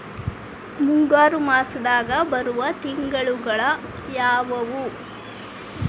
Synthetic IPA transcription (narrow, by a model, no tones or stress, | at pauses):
muŋɡaːɾumaːsɐd̪aːɡɐbɐɾuʋɐt̪iŋɡɐɭuɡɐɭɐ | jaːʋɐʋu